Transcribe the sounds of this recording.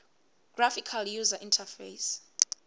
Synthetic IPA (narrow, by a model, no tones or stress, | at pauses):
ɡ̥rafikʰaljuzaʔĩntʰafejs